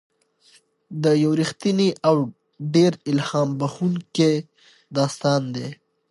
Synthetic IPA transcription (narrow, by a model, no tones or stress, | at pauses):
d̪əjawɾixt̪iniʔaw | ɖeɾɪlhɑːmbaxuŋke | d̪ɑːst̪ɑnd̪e